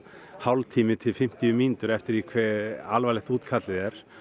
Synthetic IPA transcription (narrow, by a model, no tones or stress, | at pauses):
hawlt̪ʰiːmɪt̪ʰɪlfɪm̥t̪iʏmiːnt̪ʏɾɛft̪ɪɾikʰvɛalvajlɛht̪uːt̪kʰat̪lɪðɛɾ̥